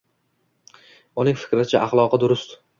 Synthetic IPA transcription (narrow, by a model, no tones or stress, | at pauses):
ʊnɪŋʲfɪ̥kʲɾɪt͡ʃʰaʔaχlˠɒqʰɨd̪ʊɾʊst̪ʊ̥